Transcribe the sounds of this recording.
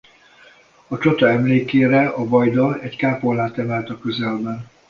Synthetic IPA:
ɒt͡ʃot̪ɒɛmleːkeːɾɛɒvɒjd̪ɒɛckaːpolːaːt̪ɛmɛlt̪ɒkøzɛlbɛn

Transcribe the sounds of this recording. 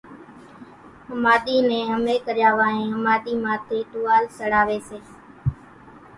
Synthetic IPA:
ɦəmaːɗ̪iːnẽːɦəmeːkəɾjaːʋaːɦẽːɦəmaːɗ̪iːmãːt̪ʰeːt̪ʊːaːlsəɽaːʋeːseː

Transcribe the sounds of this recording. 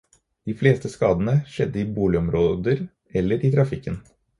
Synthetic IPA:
d̪̥iːfleːst̪əskɑːd̪ənəʃɛd̪ːəiːbuːlɪɔmɾoːd̪əɾ | ɛlːəɾʔit̪ʰɾɑfɪkːən

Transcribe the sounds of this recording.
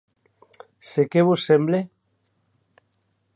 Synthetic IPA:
sekeβusːemble

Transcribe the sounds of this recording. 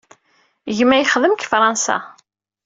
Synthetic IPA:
ʝmːæjχəðəmkfɾˤɑnsa̰

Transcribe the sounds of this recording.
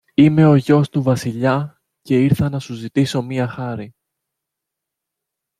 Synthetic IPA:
ime̞o̞ʝo̞st̪uvɐsiʎɐ | ce̞iɾθɐnɐsuzit̪iso̞miɐxɐɾi

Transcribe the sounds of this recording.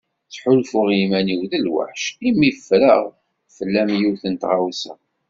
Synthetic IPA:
t͡sːħʊlfʊʁjimæniwðəlwa̰ħʃimifːɾə̰ʁ | fəlːæmjuθənt̪ʁawsə̰

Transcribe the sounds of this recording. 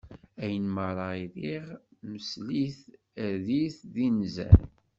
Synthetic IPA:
æjənməɾˤɑiðiʁməsliθ | æðiθðinzæ̰l

